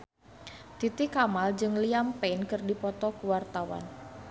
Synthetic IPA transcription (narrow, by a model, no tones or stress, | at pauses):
t̪it̪ɪkamald͡ʒɨŋliampɛnkɨrdipɔt̪ɔkuwart̪awa̰n